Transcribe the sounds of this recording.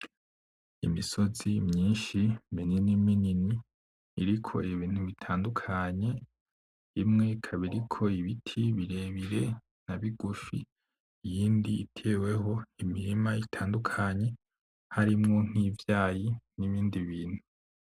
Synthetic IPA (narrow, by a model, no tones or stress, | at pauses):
ḭmiso̞zimɲiːnʃimenenimininiː | ɾikʰo̞̰iβiːn̥huβitʰaːndukʰaɲe̞ | imŋe̞kʰaβiɾikʰo̞iβitʰiβiɾe̞ːβiɾe̞ | naβiɡuʃḭː | jiːndiːtʰe̞ːwe̞ho̞imiɾimaitʰaːndukʰaɲe̞ | haɾimŋo̞ŋ̥ivjaːjiniβiːndiβiːn̥hu̥